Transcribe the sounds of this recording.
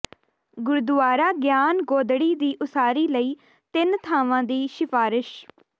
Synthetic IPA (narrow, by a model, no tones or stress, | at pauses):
ɡʊɾd̪ʊaːɾaːɡjaːnɡoːd̪ɽiːd̪iːʔʊsaːɾiːləiː | t̪ɪnt̪ʰaːʋãːd̪iːʃɪfaːɾɪʃ